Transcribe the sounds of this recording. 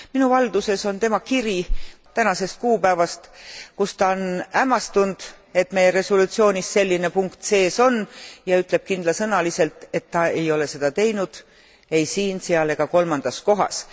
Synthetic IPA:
minuvɑld̪use̞so̞nt̪e̞mɑkiɾi | t̪ænɑse̞st̪̚kuːpæevɑst̪kust̪ɑonæmɑst̪und̪̥ | e̞t̪me̞jeɾe̞solut̪sio̞ːnʲisse̞lʲːine̞puŋkt̪se̞ːso̞njɑyt̪ˑle̞b̥̚kind̪̥lɑsɤnɑlise̞lt̪ˑe̞t̪ːɑe̞jo̞le̞se̞d̪̥ɑt̪e̞jnud̪̥ | e̞jsiːnseɑleɡ̥ɑko̞lmɑnd̪̥ɑsko̞ɦɑ̰s

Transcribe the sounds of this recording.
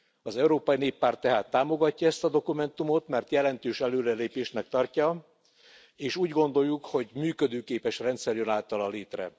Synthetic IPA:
ɒzɛuɾoːpɒjineːpːaːrt̪ːɛɦaːt̪ːaːmo̞ɡɒcːɒɛst̪ɒd̪o̞kumɛnt̪umo̞t̪mɛrt̪jɛlɛnt̪øːʃɛløːɾɛleːpeːʃnɛk̚t̪ɒrcɒ | eːʃuːɟɡo̞nd̪o̞jːukho̞ɟmyːkø̞d̪øːkeːpɛʃrɛnt̪sɛrjønaːlt̪ɒlɒleːt̪rɛ̰

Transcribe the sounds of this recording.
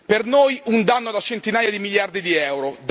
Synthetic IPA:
pernojund̪anːod̪at͡ʃent̪inaːjad̪imiʎjard̪id̪iɛwɾod̪

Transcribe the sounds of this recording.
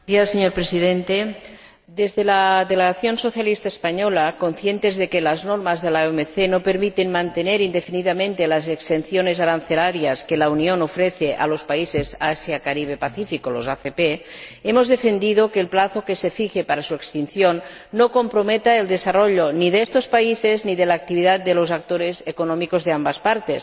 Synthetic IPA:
iaseɲoɾpɾesiðent̪e | d̪ezðelaðeleɣaθjo̞nsoθjalist̪aespaɲolako̞nθje̞nt̪ezðekelaznoɾmazðelaomeθenopeɾmit̪e̞nmãnt̪eneɾind̪efiniðamẽ̞nt̪elazekst̪enθjonezaɾan̟θelaɾjaskelaunionofɾeθeʔa̰lo̞spaisezasjakaɾiβ̞epaθifikolozaθepeemozðefend̪iðokeːlplaθokesefixepaɾasuekst̪inθjonː | okompɾomet̪aeld̪esaroʎoniðest̪ospaisezniðelaːk̚t̪iβiðat̪̚d̪elozak̚t̪oɾezekonomikozðeambaspaɾt̪es

